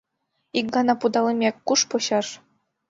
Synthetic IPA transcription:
ik̚ɡɑnɑpud̪ɑlˠɤ̆mʲekʲkːuʂpŏɕɑʂ

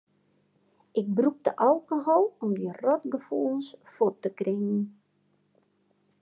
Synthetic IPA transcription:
ʔɪk̚bruk̚dəʔalˠkəɦɔlˠɔmdirɔtɡəfulsfotːəkrɪŋən̩

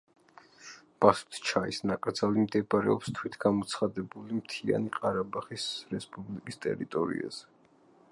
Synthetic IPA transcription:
b̥asu̥t̪ʰt͡ʃʰaisnakʼɾd̪zalimd̪ɛbɾɛ̰ɔpst̪ʰwit̪ʰɡ̥amɔt̪sʰχad̪ɛbulimt̪ʰia̰niqʼaɾabaχisɾɛspʼublikʼist̪ʼɛ̰ɾit̪ʼɔɾḭa̰z̥ɛ

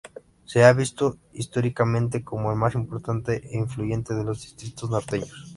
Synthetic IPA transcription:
se̞aβist̪o̞ist̪oɾikamẽ̞nt̪̬e̞ko̞moelmasimpo̞ɾt̪ant̪eʔeiɱfluʝe̞nt̪e̞ð̞e̞lo̞zðist̪ɾit̪oznoɾt̪eɲos

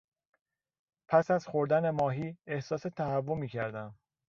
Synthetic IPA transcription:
pʰæsæzxo̞ɾd̪æne̞mɒːɦiːe̞hsɒːse̞t̪ʰæhævːomiːcʰæɾd̪æn

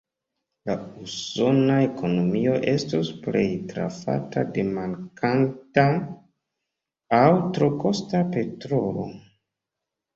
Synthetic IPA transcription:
lauso̞nae̞kʰo̞no̞mio̞ʔe̞stosple̞jtɾa̰fa̰ta̰de̞maŋkʰanta | awtɾo̞ko̞stape̞tɾo̞lo̞̰

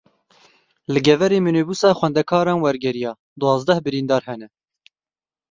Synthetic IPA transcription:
lɨɡɛvɛɾeːmyneːbuːsɑːxʷwɛnd̪ɛkʰɑːɾɑːnwɛɾɡɛɾijɑː | d̪uwɑːzd̪ɛhbɨɾiːnd̪ɑːɾhɛnɛ

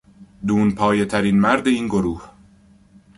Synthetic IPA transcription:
d̪uːnpʰɒːjet̪ʰæɾiːnmæɾd̪e̞iːnɡoɾuːh

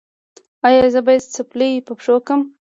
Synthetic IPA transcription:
ɑjɑzəbɑjad̪t͡səplepəpʂokəm

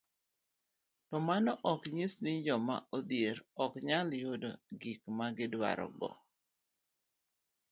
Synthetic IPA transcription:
tɔmanɔʔɔkɲisnɪd͡ʒɔma̰odjeɾɔkɲaljodoɡikmaɡɪdwa̰ɾɔ̰ɡɔ̰

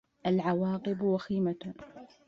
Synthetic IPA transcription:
ʔalʕawɑːqɨbwaxiːmat̪

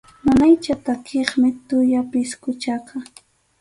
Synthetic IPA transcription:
manajt͡ʃat̪akʰeχmɪt̪ʊjapɪskʊt͡ʃaka

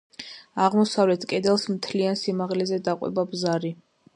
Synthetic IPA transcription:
aʁmɔsavlɛt̪ʰkʼɛd̪ɛlˠsmt̪ʰliansimaʁlɛzɛd̪aqʼwɛ̰babzaɾi

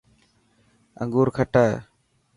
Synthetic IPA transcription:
ə̰ŋɡuːɾkʰəʈaː

